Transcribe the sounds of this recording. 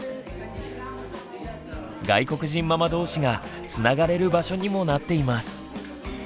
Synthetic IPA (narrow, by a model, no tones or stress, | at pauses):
ɡaiko̞kɯ̟ʑĩmːamad̪o̞ːɕiɡa | t͡sɨnaɡaɾe̞ɾɯ̟baɕo̞ɲ̟imo̞nat̪ːe̞imasɨ̥